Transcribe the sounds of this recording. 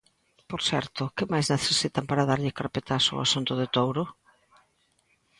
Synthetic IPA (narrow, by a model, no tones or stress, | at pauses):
poɾsɛ̰ɾt̪ʊkɪmajzneθesit̪ampaɾaðaɾʎɪkaɾpet̪asʊ̰asunt̪ʊðɪt̪owɾʊ